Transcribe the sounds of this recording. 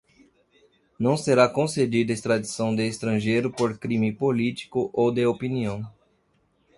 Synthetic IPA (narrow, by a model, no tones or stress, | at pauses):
nɐ̃w̃seɾakõsed͡ʒid̪ɐest̪ɾad̪isɐ̃w̃d̪ɪːst̪ɾɐ̃ʒejɾʊpoɾkɾĩmɪpolit̪i̥kʊʔowd̪eopiniɐ̃w̃